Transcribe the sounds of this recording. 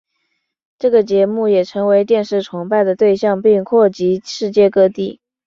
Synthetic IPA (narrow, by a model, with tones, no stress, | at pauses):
ʈ͡ʂɤ˥˩ɡə˩t͡ɕjɛ˧˥mu˥˩jɛ˨˩ʈ͡ʂʰɤ˧˥ŋwe˧˥ɪt̪̬jɛ˥˧nʂɻ̩˥˩ʈ͡ʂʰʊ˧˥ŋpa˥˩ɪd̪ə˩t̪we˥˧ɪɕjɑ˥˧ŋpi˥˧ŋkʰwɔ˥˩t͡ɕi˧˥ʂɻ̩˥˧t͡ɕjɛ˥˧kɤ˥˧t̪i˥˩